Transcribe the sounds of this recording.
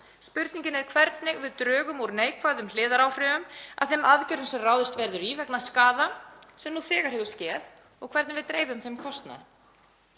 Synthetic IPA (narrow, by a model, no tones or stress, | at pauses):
spʏɾt̪niɲcɪnɛɾ̥kʰvɛɾt̪nɪɣvɪðt̪ɾœːɣʏmuɾneːjkʰvaðʏml̥ɪːðaɾaːwfɾɪʏma̰ðθejmaðcʏɾɪnsɛmraːwðɪst̪vɛɾðʏɾiːvɛknaskaːðasɛmnuθɪːɣaɾ̥hɛvʏ̥scɛːð | ɔɣkʰvɛɾt̪nɪvɪðt̪ɾeːjvʏmθejmkʰɔst̪na̰ðɪ